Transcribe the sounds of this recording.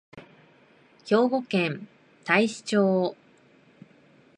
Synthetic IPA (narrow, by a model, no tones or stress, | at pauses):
ço̞ːɡo̞kẽn | t̪aiɕi̥t͡ɕoː